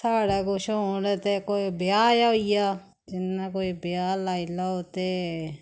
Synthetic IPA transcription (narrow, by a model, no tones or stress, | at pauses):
sʰaːɽɛːkoʃoːɽeːt̪eːkoːibɪjaːjaːijaː | d͡ʒɪnaːkoːibjaːlaːilaːot̪eː